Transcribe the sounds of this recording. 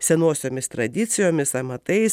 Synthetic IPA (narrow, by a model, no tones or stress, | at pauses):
sʲɛnoːsʲoːmʲɪst̪ɾɐd̪ʲɪt̪sʲɪjoːmʲɪsɐmɐt̪ɐɪs